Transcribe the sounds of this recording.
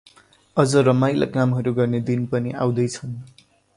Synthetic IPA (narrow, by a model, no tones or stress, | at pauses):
ʌd͡zʌɾʌmajla̰kamɦʌɾuɡʌrned̪inpʌniʔa̰w̃d̪ʌjt͡sʰʌn